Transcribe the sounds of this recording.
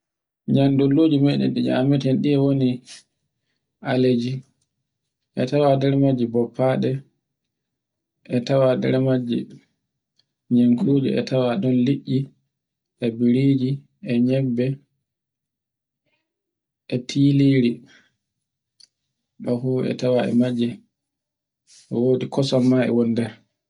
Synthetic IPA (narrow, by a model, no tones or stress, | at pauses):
ɲandɔlːoːd͡ʒimɛɗɛ̰nɗid͡ʒa̰mɛtɛnɗiɛwoni | ʔaled͡ʒi | ʔɛtawadɛɾmad͡ʒibɔpʰːaːɗɛ | ʔɛtawadɛ̰ɾmad͡ʒːi | ɲeŋkʰud͡ʒɛ̰ɛ̰tʰawaɗɔnliʔːi | ʔɛbiɾid͡ʒi | ɛɲɛbːɛ | ʔɛtʰiːliːɾi | ɗɔfuɛ̰tawaɛ̰mad͡ʒːi | ɛwoːɗikɔsɔmːaɛ̰wondɛɾ